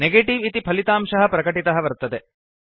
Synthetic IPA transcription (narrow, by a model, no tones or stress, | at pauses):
neɡeːʈiʋit̪ipʰɐlit̪aːmʂɐɦɐpɾɐkɐʈit̪ɐɦɐʋɐɾt̪ːɐd̪e